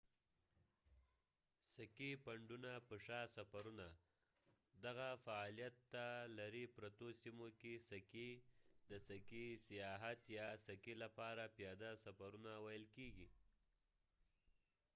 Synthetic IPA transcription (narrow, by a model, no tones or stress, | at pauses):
sakepaɳɖunapəʂɑsafaɾuna | d̪aɣafaɑlijat̪ːalaɾipɾat̪osimokesaked̪əsakisijɑɦat̪jɑsakelapɑɾapjɑd̪asafaɾunawajəlkeɡi